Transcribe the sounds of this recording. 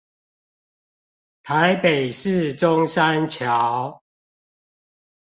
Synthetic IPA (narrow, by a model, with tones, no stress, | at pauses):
t̪ʰa˨˦ɪpe˨˩ɪʂɻ̩˥˨ʈ͡ʂʊ˦ŋsa˦nt͡ɕʰja˨˦ʊ